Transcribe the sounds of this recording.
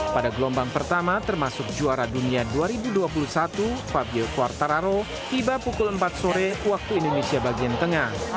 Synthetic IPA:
padaɡlɔmbaŋpərt̪amat̪ərmasʊk̚d͡ʒuaɾaduniaduaɾibuduap̬ulusat̪ufabiɛlkuart̪aɾaɾo | t̪ibapukʊləmpat̪̚soɾɛwak̚t̪uindonesiabaɡiant̪əŋah

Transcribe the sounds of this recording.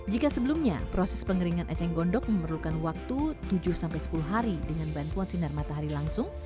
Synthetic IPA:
d͡ʒikasəbəlumɲa̰pɾosɛspəŋəɾiŋanʔɛt͡ʃɛŋɡɔndɔk̚məmərlukanwak̚t̪ut̪ud͡ʒʊrsampajsə̥puluɦaɾidəŋanbant̪uansinarmat̪aɦaɾilaŋsʊŋ

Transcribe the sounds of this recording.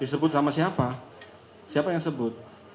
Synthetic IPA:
disəbʊt̪samasiapa | siapajaŋsəbʊt̪̚

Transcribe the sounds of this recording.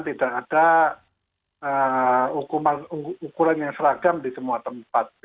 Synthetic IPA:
t̪idaʔːd̥a | əukumanuukuɾanjaŋsəɾaɡamdisəmuat̪əmpat̪̚

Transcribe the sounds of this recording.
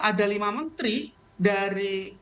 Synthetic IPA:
ʔadalimamənt̪ɾi | daɾi

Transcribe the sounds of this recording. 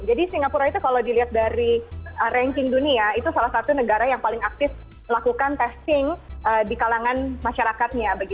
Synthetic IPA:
d͡ʒadisiŋɡapuɾait̪ukalawdiliɦat̪̚daɾiʔəɾɛŋkɪŋduniait̪usalahsat̪unəɡaɾajaŋpalɪŋak̚t̪ɪf | əlakukant̪ɛst̪ɪŋədikalaŋanmaʃaɾakat̪̚ɲabaɡit̪

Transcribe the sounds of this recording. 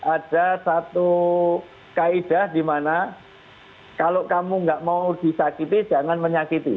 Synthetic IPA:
ʔad̥asat̪u | kaid̥ahdimana | kalokamuŋɡaʔmauud̥i̤sakit̪id͡ʒ̥aŋanməɲakit̪i

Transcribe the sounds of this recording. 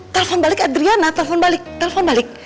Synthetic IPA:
t̪ɛlɛfɔnbalɪkad̪ɾianat̪ɛlɛfɔnbalɪk̚t̪ɛlɛfɔnbalɪk̚

